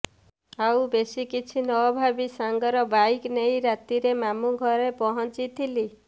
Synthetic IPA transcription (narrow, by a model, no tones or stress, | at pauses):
awbesikit͡ʃʰinɔɔbʱabisaŋɡɔɾɔbajknejɾat̪iɾemamuɡʱɔɾepɔɦɔnt͡ʃit̪ʰili